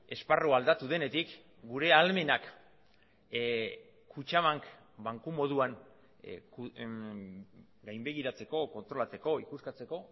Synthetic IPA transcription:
e̞sparoald̪at̪uð̞e̞ne̞t̪ik | ɡuɾe̞alme̞nak | kːut͡ʃaβaŋk | baŋkumo̞ð̞uaŋ | k | ɡajmbe̞ɣ̞iɾat͡se̞ko̞ko̞nt̪ɾo̞lat͡se̞ko̞ikuskat͡se̞ko̞

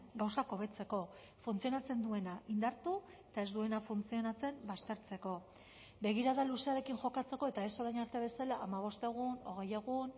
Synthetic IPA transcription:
ɡawsako̞β̞e̞t͡se̞ko̞ | funt͡sio̞nat͡se̞nd̪ue̞naʔind̪aɾt̪u | et̪ae̞zd̪ue̞nafunt͡sio̞nat͡se̞mbast̪e̞ɾt͡se̞ko̞ | be̞ɣ̞iɾaðaluseaɾe̞kinʝo̞kat͡se̞ko̞e̞t̪aesoðajnaɾt̪eaβe̞salaʔamaβ̞o̞st̪e̞ɣ̞uno̞̰ɣ̞e̞jeɣun

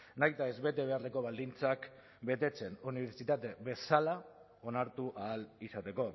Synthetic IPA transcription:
najt̪ae̞zβe̞t̪e̞βe̞are̞ko̞β̞ald̪int͡sak | be̞t̪e̞t͡se̞nuniβe̞ɾt͡sit̪at̪e̞βe̞sala | o̞naɾt̪uʔaːlisat̪e̞ko̞

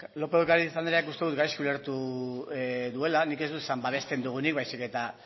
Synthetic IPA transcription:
lo̞peðkaɾisand̪eɾeakust̪e̞ðut̪̚ɡajskuleɾt̪u | ðue̞lanike̞zd̪ut̪esambaβ̞e̞st̪e̞nd̪uɣ̞unik̚βajsike̞t̪a

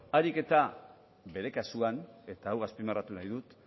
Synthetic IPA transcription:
aɾike̞t̪a | be̞ɾe̞kasuane̞t̪aːwɣaspimarat̪unajðut̪

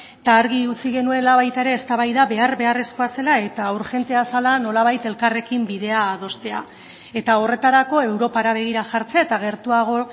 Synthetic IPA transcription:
t̪aːɾɣiut͡siɣe̞nue̞laβ̞ajt̪ae̞ɾe̞ːst̪aβajðaβe̞arbe̞are̞sko̞ase̞lae̞t̪auɾxe̞nt̪e̞asalano̞laβ̞ajt̪e̞lkare̞kimbiðe̞aːð̞o̞st̪e̞a̰ | e̞t̪ao̞re̞t̪aɾako̞e̞wɾo̞paɾaβ̞e̞ɣ̞iɾaʝaɾt͡seaet̪aɣ̞e̞ɾt̪uaɣ̞o̞

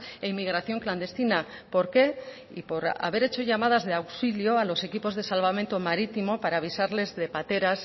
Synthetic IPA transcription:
eimiɣ̞ɾaθjo̞ŋkland̪e̞st̪ina | po̞ɾke̞ | ḭpo̞ɾa̰βe̞ɾe̞t͡ʃo̞ʝamað̞azðeawksiljoalo̞se̞kipo̞zðe̞salβament̪o̞maɾit̪imo̞paɾaːβ̞isaɾle̞zðe̞pat̪e̞ɾas

